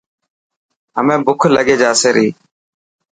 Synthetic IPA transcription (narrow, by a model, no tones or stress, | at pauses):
ɦəmẽːbʊkʰləɠeːd͡ʒaːseːɾiː